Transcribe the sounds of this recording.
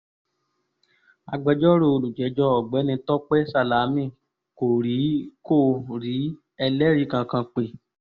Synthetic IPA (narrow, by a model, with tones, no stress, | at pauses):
a˧ɡ͡bɛ˧d͡ʒɔ˦ɾo˧˨o˧lu˨d͡ʒɛ˨˦d͡ʒɔ˧˦ɔ˨ɡ͡bɛ˨˦nĩ˧tɔ˦k͡pɛ˦sa˦˧˨la˨˦mĩ˦˨ | ko˨ɾi˨˦ko˦˨ɾi˨˦ | ɛ˧lɛ˦ɾi˦˨kã˧kã˧k͡pe˨